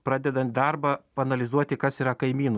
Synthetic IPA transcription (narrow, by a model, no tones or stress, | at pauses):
pɾɑːd̪ʲɛd̪ɐnt̪̚ʲd̪ɐɾbɐpɐːnɐlʲɪzuɔt̪ʲɪkɐsiːɾɐkɐɪmʲiːnʊ